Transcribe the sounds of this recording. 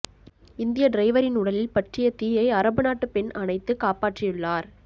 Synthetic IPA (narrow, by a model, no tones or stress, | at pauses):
ɪnd̪ɪjɐɖɾɐɪʋɐɾɪnʊɽɐlɪlpɐʈrɪjɐt̪iːjɐɪɐɾɐbɯnaːʈːɯpɛnɐnɐɪt̪ːɯkaːpaːʈrɪjɯɭːaːɾ